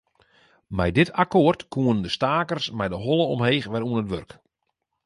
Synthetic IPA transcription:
mɛjdɪtakoərtkʰuənndəstaːkərsmɛjdəɦɔlˠəɔ̰mheːxʋɛɾuənətʋørk

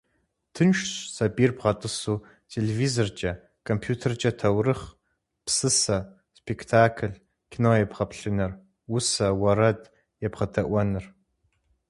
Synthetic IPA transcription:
tʰɨnʃɕsɐbirbʁɐtʼɨsuː | tʰelevizort͡ʃʼɐ | kʰompʰjuːtʰɐrt͡ʃʼɐtʰɐwrɨχ | psɨsɐ | spʰekʰtʰaːkʰɨɮ | kʲʰinoːjɛpʁɐpɬɨnɨr | wʊsɐwɐɾɐd | jɛpʁɐtʰɐʔʷɐnɨr

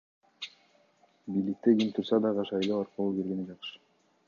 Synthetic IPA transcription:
bijlik̚t̪eɡʲimt̪ʰuɾsɑd̪ɑʁɑʃɑjlˠoɑɾqɯlˠukelɡened͡ʒɑqʃɯ̥

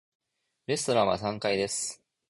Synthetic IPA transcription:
ɾe̞sɨ̥t̪o̞ɾãβasãŋkaid̪e̞sɨ̥

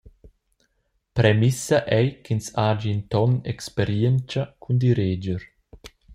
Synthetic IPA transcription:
pɾɛmisaʔɛjkinsaːd͡ʒiːnt̪ɔnɛ̰kspeɾjɛnt͡ʃakʰund̪iɾeːd͡ʒəɾ

